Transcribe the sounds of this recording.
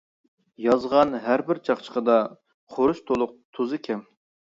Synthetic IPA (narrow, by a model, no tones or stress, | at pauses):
jɑzʁɑnɦæɾbɪɾt͡ʃʰɑχt͡ʃʰə̥qʰəd̪ɑ | qʰoɾuʃt̪ʰolˠʊq̚t̪ʰuzɨkʲʰɛm